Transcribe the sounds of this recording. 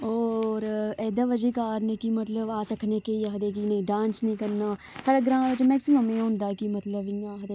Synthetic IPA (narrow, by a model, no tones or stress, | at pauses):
ɔːɾɛːd̪aʋəd͡ʒikaːɾnekimɐt̪ləbaːsɐkʰnekeaɦd̪ekinɐĩɖãːnsnɐɦĩkɐɾnaː | saːɽəɡɾãːʋət͡ʃmɛːksɪməmẽɦõːnd̪aːkimɐt̪ləbijãɦd̪e